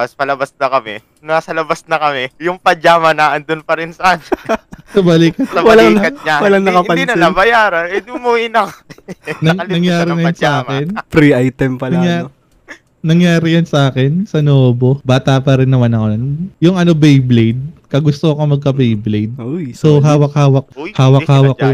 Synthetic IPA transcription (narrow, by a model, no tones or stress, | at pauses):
ɐspɐlɐbasnɐkɐmɛ | nɐɐsɐlɐbasnɐkɐmɛjʊŋpɐd͡ʒaːmɐnɐʔɐnd̪ʊnpɐɾɪnsɐʔansɐbɐliːkɐt̪ɐwɐlɐŋɐt̪̚ɲawɐlɐŋnɐkɐɪpɐd̪inɐabɐjaːɾɐnɛd̪ʊmuɪnɐ | nɐɐɐŋjaːɾɪnɐjʊnsɐʔaːkɪnpɾiʔajt̪ɛmpɐlɐŋja | nɐŋjaːɾɪjɐnsɐʔaːkɪnsɐnooːbobaːt̪apɐɾɪnːɐmanɐkonjʊŋʔɐno̞bejblejd̪̚kɐɡʊst̪okomɐɡ̚kɐbejblejd̪̚ojsoɦaːwɐk̚haːwɐk̚haːwɐhaːwɐkː